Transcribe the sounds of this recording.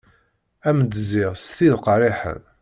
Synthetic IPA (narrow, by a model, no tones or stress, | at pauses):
æmd̪zɪʁsθiðqɾˤiħə̰n